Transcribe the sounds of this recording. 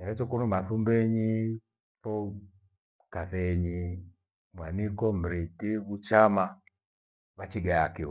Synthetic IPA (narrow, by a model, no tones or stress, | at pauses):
ɛɾɛt͡ʃɔkunumaθumbɛɲi | fɔ | kaθɛɲi | mwanikɔm̩ɾitiβut͡ʃama | βat͡ʃiɡaakiwɔ